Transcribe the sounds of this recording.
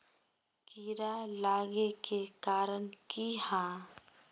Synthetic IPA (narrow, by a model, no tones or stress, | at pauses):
kiɾalaːɡekekaːɾənkihãː